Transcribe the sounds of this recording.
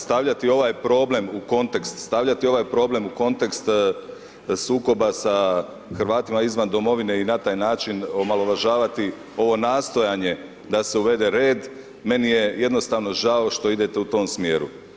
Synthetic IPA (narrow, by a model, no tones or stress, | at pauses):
st̪aʋʎat̪io̞ʋaːjpɾo̞ble̞muko̞nt̪e̞kst̪st̪aʋʎat̪io̞ʋaːjpɾo̞ːble̞muko̞nt̪ekst̪ | suːko̞basa | xɾʋaːt̪imaizʋand̪o̞mo̞ʋine̞inat̪aːjnaːt͡ʃino̞malo̞ʋaʒaːʋat̪i | o̞ʋo̞naːst̪o̞jaɲe | d̪ase̞uʋe̞d̪e̞ɾeːd̪ | me̞nijeje̞d̪no̞st̪aːʋno̞ʒao̞ʃt̪o̞id̪et̪e̞ut̪o̞ːmsmjeːɾṵ